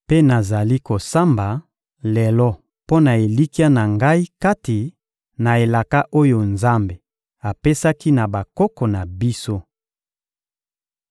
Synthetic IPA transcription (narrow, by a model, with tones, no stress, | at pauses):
pe˦na˨za˨li˦ko˨sa˦mba˨ | lɛ˨lɔ˦ | po˦na˨e˨li˦ki˦a˦na˨ŋɡa˦i˦ka˦ti˨ | na˨e˨la˨ka˦ʔo˦jo˨nza˦mbe˨ | a˨pe˦sa˦ki˦na˨ba˨kɔ˦kɔ˨na˨bi˦so˦